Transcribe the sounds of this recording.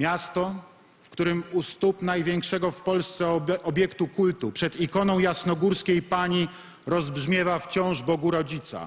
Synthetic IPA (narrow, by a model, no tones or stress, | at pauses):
mʲjast̪ɔ | fkt̪uɾɘmust̪upnajvʲjɛŋkʂɛɡɔfpɔlst̪sɛʔɔbʲjɛkt̪ukult̪upʂɛd̪ikɔnɔ̃w̃jasnɔɡuɾskʲejpaɲi | ɾɔzbʐmʲjɛvaft͡ɕɔ̃w̃ʐbɔɡuɾɔd͡ʑit̪sa̰